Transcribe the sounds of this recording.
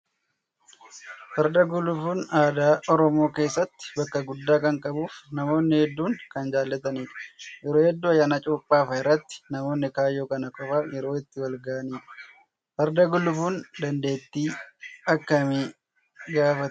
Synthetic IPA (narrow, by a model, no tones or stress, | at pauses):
fɐɾd̪ɐɡʊlʊfuːnaːd̪aːɔɾɔmo̞ːke̞ːsːɐt̪ːɪ̥bɐkːɐɡʊd̪ːaːkɐŋkʼɐbuːfnɐmo̞ːnːɪhɛd̪ːuːŋkɐnd͡ʒaːlːɐt̪ɐniːᶑɐ̥jɛɾoːhɛd̪ːuːɐjːaːnat͡ʃʼuːpʼːaːfɐɪrːɐt̪ːɪ̥nɐmo̞ːnːɪkaːjːoːkɐnɐkʼɔfɐjɛɾo̞ːɪt̪ːɪwɐlɡɐʔɐniːᶑɐ̥ | fɐɾd̪ɐɡʊlːʊfuːnd̪ɐnd̪e̞ːt̪ːiːɐkːɐmeː | ɡaːfɐt̪